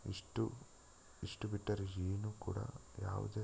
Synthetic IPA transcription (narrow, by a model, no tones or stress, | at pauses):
ḭʂʈu | iʂʈubiʈːɐɾid͡ʒiːnukṵːɽɐ̰ja̰ːʋ̰d̪e